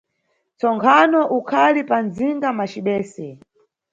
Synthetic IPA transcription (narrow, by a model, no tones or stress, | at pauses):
t͡sɔŋkʰanɔʔukʰalipanziŋɡamat͡ʃiɓɛːsɛ